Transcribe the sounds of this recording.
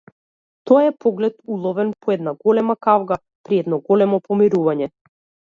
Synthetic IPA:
t̪ɔjaɛpɔɡlɛt̪ulˠɔvɛnpʰɔɛd̪naɡɔlɛmakavɡa | pɾiɛd̪nɔɡɔlɛmɔpɔmiɾuvaɲɛ

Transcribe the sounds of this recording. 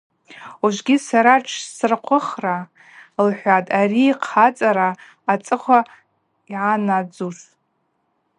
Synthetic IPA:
uʒʷɡʲisaɾaʈ͡ʂʰsrqʷʰʊχra | lħʷatʼariːqʰat͡sʼaɾaː | t͡sʼɨχʷa | iʕanad͡zus

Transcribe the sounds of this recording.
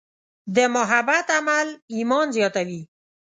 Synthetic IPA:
d̪əmʊɦabat̪amalimɔnzjɑt̪awi

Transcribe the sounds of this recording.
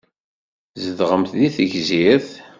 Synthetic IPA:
zəðʁəmθðiθəʝziɾθ

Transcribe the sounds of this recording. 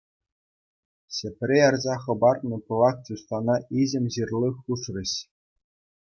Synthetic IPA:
ɕĕpʲrʲejɑrzɑχɤ̆bɑrnɤ̆pɤlˠɑk̚t͡ɕust̪ɑnɑʔiʑɘ̆mʲʑirlʲˠɤxuʂrʲɘ̆ɕ

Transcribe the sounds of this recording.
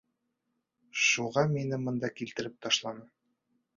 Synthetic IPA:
ʃuʁɑminɘmɤ̆nd̪ɑkilt̪ɘ̆ɾɘp̚t̪ɒʃlˠɑnɤ

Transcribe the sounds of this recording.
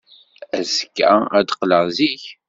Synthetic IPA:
æzkːæ̰æd̪qləʁziç

